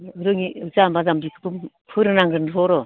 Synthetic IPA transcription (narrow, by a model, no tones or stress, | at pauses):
ɯɾɯŋiɯzambazamdikʰɯ̥pɯm | pʰɯɾɯnaŋɾɯnɾɔɾɔ